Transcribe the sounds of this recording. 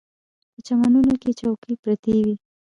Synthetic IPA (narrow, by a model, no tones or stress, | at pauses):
pət͡ʃamanunoket͡ʃawkipɾat̪ewi